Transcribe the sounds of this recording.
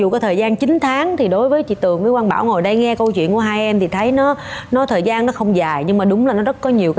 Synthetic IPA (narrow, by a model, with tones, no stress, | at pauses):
zu˨˩kɔ˨˦t̪ʰəː˨˩jzaː˧nt͡ɕï˨˦ŋ̟t̪ʰaː˨˦ŋt̪ʰi˨˩ɗo˨˦jvəː˨˦jt͡ɕḭ˧˨t̪ɨ˨˩əŋvəː˨˦jkwaː˧nɓa̰ː˧˩wŋo˨˩jɗə˧jŋɛ˧kə˧wt͡ɕwḭ˧˨nku˧˩əɦaː˧jʔɛ˧mt̪ʰi˨˩t̪ʰə˨˦jnɔ˨˦nɔ˨˦t̪ʰəː˨˩jzaː˧nnɔ˨˦xə˧wŋ͡mzaː˨˩jɲɨ˧ŋmaː˨˩ɗʊ˨˦ŋ͡mla˨˩nɔ˨˦zə˦˥t̚kɔ˨˦ɲi˨˩əwkː